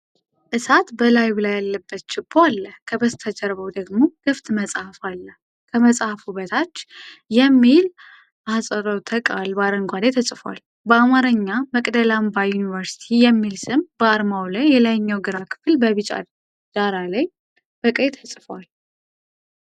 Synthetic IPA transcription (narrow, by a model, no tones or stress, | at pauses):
ʔɨsat̪bəlajbɨlajalːəbːət̪t͡ʃɪboalːəhkʰəbəst̪ʰəd͡ʒəɾβəwd̪əɡmo̞ɡ̥ɨft̪ʼməsʼahfalːəh | kʰəməsʼahfuβət̪ʰat͡ʃːjɛmːil | ʔasʼəɾowt̪ʰəkʼalbaɾəŋɡʷad̪et̪ʰəsʼfwa̰l | bəamaɾəɲːaməkʼd̪əlambajunivəɾsi̥t̪ʰijɛmːilsɨmbəaɾmawlajːɛlajɲːawɡɨɾakʰɨ̥fɨlbəβɨt͡ʃʼa̰ | d̪̥aɾalaj | b̥əkʼet̪ʰəsʼfwal